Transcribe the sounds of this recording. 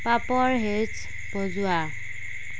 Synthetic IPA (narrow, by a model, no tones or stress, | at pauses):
papɔɹɦet͡ʃ | b̥ɔzʊa